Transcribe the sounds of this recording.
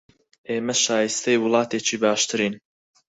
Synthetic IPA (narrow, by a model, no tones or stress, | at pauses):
ʔeːmɐʃaːjist̪ʰɛjwʊlˠɑːt̪eːt͡ʃʰiːbɑːʃt̪ʰɨɾiːn